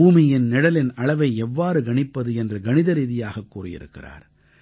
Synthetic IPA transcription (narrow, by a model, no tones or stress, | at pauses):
uːmɪjɪnnɪɽɐlɪnɐɭɐʋɐɪɛʋːaːɾɯɡɐɳɪpːɐðɯɛndrɯɡɐnɪðɐɾiːðɪjaːɣɐkːuːrɪjɪ̰ɾɯ̰kːɪ̰ra̰ːɾ